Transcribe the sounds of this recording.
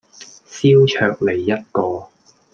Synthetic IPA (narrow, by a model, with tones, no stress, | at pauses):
siː˥wt͡ʃʰœː˧k̚le˨˩jːɐ˥t̚kɔː˧